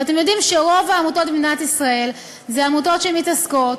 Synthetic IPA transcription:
ate̞mjo̞dimʃeʁo̞vaːmuto̞t̪̚binat̪isʁae̞l | zeamuto̞tʃeemitasko̞t

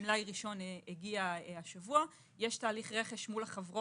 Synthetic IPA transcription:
mlajʁiʃo̞neɡiaaʃavua | jeʃtaːliχʁe̞χeʃmulaχavʁo

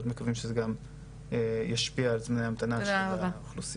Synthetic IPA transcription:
ot̪me̞kavimʃezeɡam | ejaʃpiaalt͡smneamat̪anaʃeaχlusi

